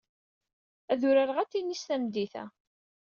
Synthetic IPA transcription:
æðʊɾaɾʁæt͡sːinːisθæmd̪iθæ̰

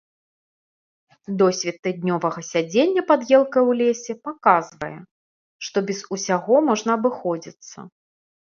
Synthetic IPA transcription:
d̪ɔsʲvʲɛt̪ːɨd̪̚ʲnʲɔvɐɣɐsʲad͡zʲenʲːɐpad̪jɛlˠkɐjwlʲesʲɛpakazvɐjɛ̰ | ʂt̪ɔbʲɛzusʲaɣɔmɔʐnɐɐbɨxɔd͡zʲit̪sːɐ̰

